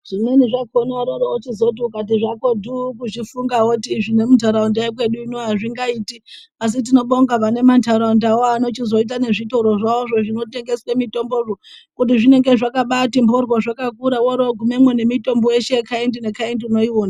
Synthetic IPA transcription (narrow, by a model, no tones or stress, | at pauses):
ʐ̥ineniʐaɡʱonaɾoɾout͡ʃizout̬iukat̬iʐako̞dʱukuʐifuŋɡawotiːʐine̞mutaɾaundaek̬we̞ɗuino̞ɦaʐiŋɡaiːti | as̬it̬ino̞ɓoŋɡapane̞mantaɾaundawoano̞t͡ʃizo̞it̬ane̞ʐitoɾoʐaoʐo̞ʐino̞te̞ŋɡe̞swemito̞mboʐo | kut̬iʐine̞ŋɡe̞ʐakaɓatimbʱorwoʐakakuɾawoɾoɡʱume̞mwene̞mito̞mboje̞ʃekaendine̞kaendiuno̞iwoːna